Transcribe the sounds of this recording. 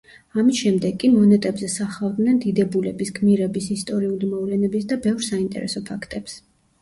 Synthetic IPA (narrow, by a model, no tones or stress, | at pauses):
amisʃɛmd̪ɛɡʼːimɔnɛt̪ʼɛbzɛsaχavˠd̪nɛnd̪id̪ɛbulɛbisɡmiɾɛbisist̪ʼɔɾiulimɔvlɛnɛbisd̪abɛvɾsaint̪ʼɛ̰ɾɛ̰sɔpʰakʰt̪ʼɛps